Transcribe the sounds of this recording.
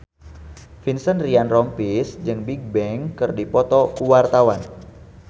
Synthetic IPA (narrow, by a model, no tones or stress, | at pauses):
finsənrianrɔmpisd͡ʒɨŋbiɡ̚bɛŋkɨrdipɔt̪ɔkuwart̪awan